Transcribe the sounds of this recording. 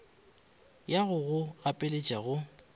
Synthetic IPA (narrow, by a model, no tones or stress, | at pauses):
jaɣʊɣʊapʼɪlet͡ʃʼaɣʊ